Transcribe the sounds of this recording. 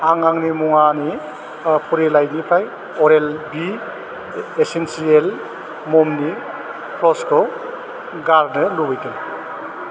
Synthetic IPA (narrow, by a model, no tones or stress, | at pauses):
aŋaŋnimuŋani | pʰuɾelajnipʰaj | ɔɾelbi | esensiel | mɔmni | pʰɾɔskɔ | ɡaɾnɯlubɯjtɯn